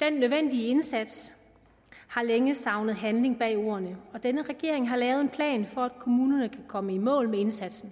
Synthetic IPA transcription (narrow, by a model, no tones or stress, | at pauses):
d̥enːøðˠʋen̰d̥iəe̝nsæd̥s | hɑ̈leŋəsɑ̈ʊnəð̞̩ˠɦænle̝ŋb̥ɛ̰o̝̰ːɐnəɒ̽d̥enəʁɛɡ̥e̝̰ɐ̰e̝ŋɦɑ̈lɛːʊðˠe̝npʰlɛ̰ːnfɒ̽æd̥kʰo̝muːnɐnəkʰækʰɒ̽məimɔ̰̽ːlmee̝nsæd̥sn̩